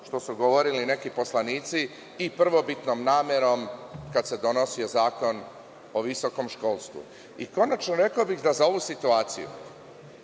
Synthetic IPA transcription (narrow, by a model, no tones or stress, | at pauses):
ʃt̪o̞suɡo̞ʋo̞ɾiline̞kipo̞slˠaniːt̪siː | pr̩ʋo̞bit̪no̞mnaːmeɾo̞mkad̪sed̪o̞no̞sio̞zaːko̞n | o̞ʋiso̞ko̞mʃko̞ːlˠst̪ʋṵ | iko̞nat͡ʃnoɾe̞kaobiɣd̪azao̞ʋusit̪uaːt̪sḭjṵ